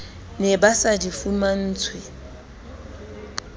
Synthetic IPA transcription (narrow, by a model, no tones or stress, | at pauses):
nɛbasadifuman̩ːt͡sʰwɪ